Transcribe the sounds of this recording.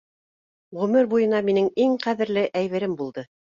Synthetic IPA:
ʁɵ̆mɘɾbujɤ̆nɑminɘŋiŋqæðɘ̆ɾlɘʔæjβɘ̆ɾɘmbulˠd̪ɤ

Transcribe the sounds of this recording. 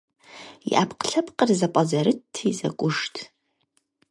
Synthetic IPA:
jḭʔapʰqɬɐpʰʼqʼərzapʷʼazɐɾɨtʰːizɐ̰kʷʼʊʂtʰ

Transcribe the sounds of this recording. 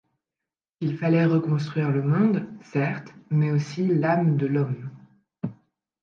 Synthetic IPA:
ilfalɛʁəkɔ̃st̪χɥiʁləmɔ̃d̪sɛʁt̪mɛosilamd̪əlɔm

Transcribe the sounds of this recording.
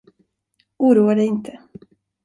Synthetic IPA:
ʔuːɾuːaɖɛjɪnt̪ʰə

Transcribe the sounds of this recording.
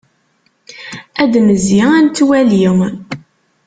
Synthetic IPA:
æd̪məzjɪænt̪ːwæliʁ

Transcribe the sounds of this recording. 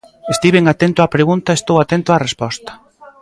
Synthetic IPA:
est̪iβeŋat̪ent̪ʊapɾeɣunt̪aest̪owat̪ent̪ʊarespɔst̪ɐ̥

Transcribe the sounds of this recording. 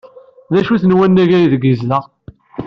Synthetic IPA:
ðæʃuθnwænːæʝæjiðəɡizlæ

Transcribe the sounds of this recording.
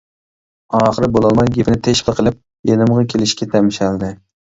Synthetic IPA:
ɑːχəɾɨbolˠɑlˠmɑjɡʲepʰɪnɪt̪ʰeʃpəqʰəlˠɪp̚ | jenɨmʁɑkʲʰelɪʃkʲɛt̪ʰɛmɪʃæld̪ɪ

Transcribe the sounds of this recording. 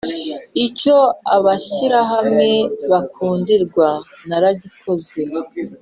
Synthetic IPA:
ico̞aβaʃiɾaɦamŋe̞βakʰuːndiɾɡwa | naɾaɟikʰo̞ze

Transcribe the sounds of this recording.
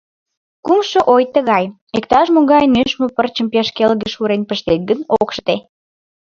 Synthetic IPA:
kumʃəʔojt̪əɣɑj | ekt̪ɑʃmoɣɑjnyʃmopərt͡ɕəmpeʃkelɣəʃuɾenpəʃt̪et̪̚ɡənokʃt̪e

